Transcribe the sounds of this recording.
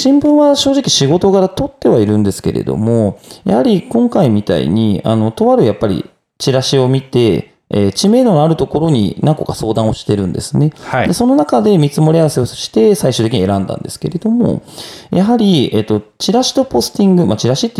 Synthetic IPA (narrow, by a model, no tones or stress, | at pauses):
ɕĩmbɯ̟̃ɰ̃βaɕo̞ːʑikʲiɕiɡo̞t̪o̞ɡaɾat̪o̞t̪ːe̞β̞aiɾɯ̟̃nd̪e̞sɨ̥ke̞ɾḛd̪o̰mo̞ja̰haɾʲikõ̞ŋkaimʲit̪a̰ḭɲ̟ia̰no̞t̪o̞βaɾɯ̟japːaɾʲḭ | t͡ɕiɾaɕio̞mʲit̪e̞ | ḛːt͡ɕime̞ːd̪onoaɾɯ̟t̪o̞ko̞ɾo̞ɲ̟ḭnãŋko̞̰kaso̞ːd̪ãɰ̃oɕi̥t̪e̞ɾɯ̟̃nd̪e̞̰sɨne̞ad̪e̞so̞no̞nakad̪e̞mʲit͡sɨmo̞ɾʲiaβse̞o̞ɕi̥t̪e̞saiɕɨːt̪ek̬ʲiɲie̞ɾãnd̪ã̰nd̪e̞sɨ̥ke̞̰ɾe̞d̪o̞mo̞̰jaɦaɾʲie̞t̪ːo̞t͡ɕiɾaɕi̥t̪o̞po̞sɨ̥t̪ĩŋɡɯ̟mat͡ɕiɾaɕit̪ːe